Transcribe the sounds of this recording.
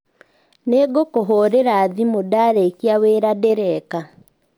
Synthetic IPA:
neɡokoɦoɾeɾaːðimodaɾekiaweːɾadeɾɛka

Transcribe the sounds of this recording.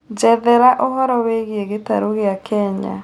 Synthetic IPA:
d͡ʒɛðɛɾaʔoɦɔɾɔweɣeeɣeta̰ɾoɣeakʰɛɲa̰

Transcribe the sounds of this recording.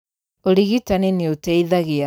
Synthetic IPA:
oɾiɣitaninioteiðaɣia

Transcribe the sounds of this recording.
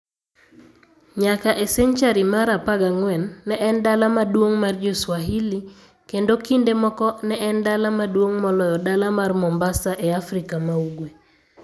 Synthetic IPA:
ɲakaʔɛsɛɲt͡ʃaɾimaɾapaɡaŋwɛnːɛʔɛndalamadwoŋmard͡ʒoswaɦili | kendokindemɔkɔnɛʔɛndalamadwoŋmɔlɔjɔdalamarmɔmbasaʔeafrikamauɡwe

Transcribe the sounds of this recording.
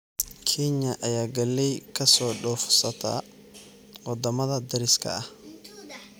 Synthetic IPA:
kʰinɐʔɐjaːɡɐlːɛjkʰɐsɔːɖɔːfsɐt̪ʰa̰ː | wɑd̪ɐmɐðɐd̪ɐɾɪskʰɐ̰ɐh

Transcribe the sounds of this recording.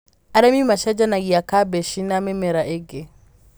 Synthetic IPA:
aɾamimaʃad͡ʒanaɡiakabɛʃinamɛmɛɾaʔeɡe

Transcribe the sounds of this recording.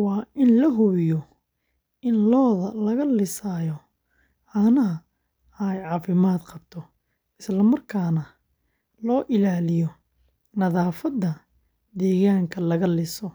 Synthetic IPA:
wɑːʔɪnlɐɦʊβjɔ | ʔɪnlɔːðɐlɐɣɐlɪsaːjɔ | ʕaːnɐɦɐ | jʕɑːfɪmaːd̪qʰɑbt̪ʰɔ | ɪslɐmɐrkʰaːnɐ | lɔːʔɪlaːlɪjɔ | nɐðaːfɐd̪ɐ | d̪ɛːɣaːŋkʰɐlɐɣɐlɪsɔ

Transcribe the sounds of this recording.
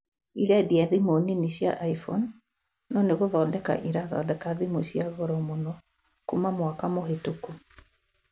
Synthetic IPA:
iɾadiaðimoniniɕja̰ʔaifɔnː | ɔneɣoðɔdɛka̰ʔiɾaðɔ̰dɛkaðimoɕjaɣɔɾɔmonɔ | kumamwakamohetoko

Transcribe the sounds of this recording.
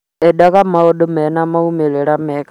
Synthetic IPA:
ɛɗaɣamaoɗomɛnamaumeɾeɾamɛka

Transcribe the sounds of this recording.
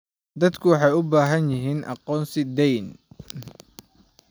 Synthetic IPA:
d̪ɐd̪kʰʊwɑħɑjʊbaːɦɐnjɪɦiːnʔɑ̰qɔːnsɪd̪ɛjn

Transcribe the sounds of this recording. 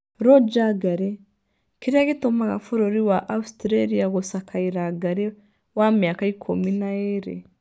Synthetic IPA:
ɾɔd͡ʒaɡaɾe | kiɾiaɣitomaɣa̰fuɾoɾiwaʔaustɾaɾiaɣosakʰaiɾaɡaɾe | wamjakaikʰuminaeɾḛ

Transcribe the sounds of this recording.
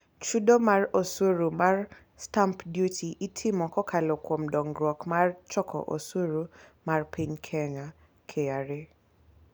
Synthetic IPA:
t͡ʃudomarosoɾumar | stampdjutʰiʔitʰɪmɔkɔkʰalɔkwɔmdɔŋɡɾɔkmart͡ʃɔkʰɔ̰ʔo̰swoɾumarpʰiɲkʰɛŋa | kʰeaɾe

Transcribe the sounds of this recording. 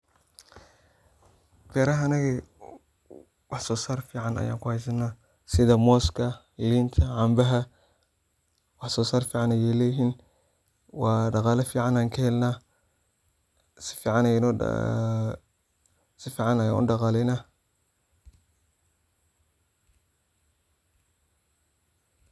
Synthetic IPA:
bɛːɾɐɦːnɐɣɛ | wɑħsɔːsaːrfiːʕɑnɐ̰ja̰ːŋkʊhɛjs̬ɐnːaː | sɪðɐmɔːskʰɐ | lint̪ʰɐʕambɐɦɐ | wɑħsɔːsaːrfiːʕɑnɐjɛːlɛɦin | wɑːɖɑqɑːlɐfiːʕanaːŋkʰɐhɛlna | sɪ̥fiːʕɑnɐn̰ | sɪfiːʕɑnɐjaːʊ̰dɑqɑːlɛjnaː

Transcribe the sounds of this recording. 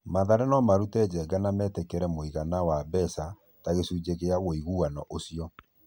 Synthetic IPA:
maðaɾɛnɔmaɾutɛd͡ʑɛɡanamɛtɛkɛɾɛmoiɣanawabɛsa | taɣesuːd͡ʑeɣeaɣoiɣuanɔʔosiɔ

